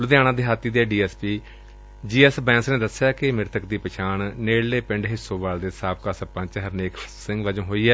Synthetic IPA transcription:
lʊd̪ejãːñãːd̪eːɦaːt̪ːiːd̪eɛːɖiːɛːspiː | d͡ʒiːɛːsbɛ̃ːnsneːd̪əsjaːkɪmɪɾt̪ʰəkd̪iːpət͡ʃʰaːɳneːɽleːpɪ̃ɳɖɦɪsõːʋaːld̪eːsaːp̚kaːsəpə̃nt͡ʃəɦəɾneːksɪ̃ŋɡʋəd͡ʒõːɦoːiːɛː

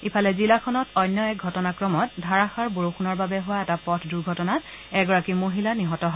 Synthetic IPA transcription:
ipʰalɛzilakʰɔnɔtɔjnːjɔɛk̚ɡʱɔtɔnakɹɔmɔt̚dʱaɹaxaɹboɹoxunɔɹbabɛɦʊwaɛtapɔtʰduɡʱɔtɔnat | ɛɡɔɹakimoɦilaniɦɔtɔɦɔ

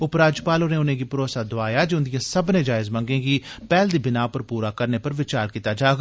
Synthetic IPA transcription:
ʊpɾaːd͡ʒpaːloːnẽːʊnẽːɡiːpɾoːsaːd̪oaːjaːd͡ʒʊnd̪ijãːsəbnẽːd͡ʒaːɪzmə̃ŋɡẽːɡiːpɛːld̪iːbɪnaːʋpəɾpuːɾaːkəɾneːpəɾʋɪt͡ʃaːɾkiːt̪aːd͡ʒaːɡa

